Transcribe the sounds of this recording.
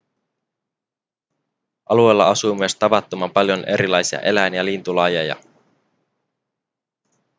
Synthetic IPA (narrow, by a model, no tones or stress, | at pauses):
ʔɑlue̞jlːɑɑsuːmyəst̪ɑʋɑt̪ːomɑmpɑljo̞nʔe̞ɾilɑjsiɑ̰ʔe̞læjnjɑlint̪ulɑjɑjɑ̰